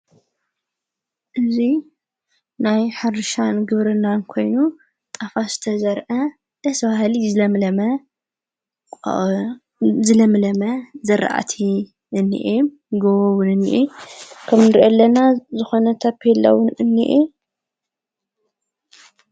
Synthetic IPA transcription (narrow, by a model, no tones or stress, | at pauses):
ʔɨzi | najħɨɾɨʃanɡɨβɾɨnːankʰo̞jnu | t̪ʼafasɨ̥t̪ʰɐzɐɾʔɐ | d̪̥ɐsbahlizɨlɐmlɐmɐ | zɨlɐmlɐmɐzɐɾ̰ʔa̰t̪ʰi | ʔɨnːḭʔem | ɡɐwɐwʊnɨnːḭʔikʰɐmnɨɾʔolːɐnazɨxo̞nɐt̪ʰɐpʰːelːɐ̰wʊnɨnːḭʔe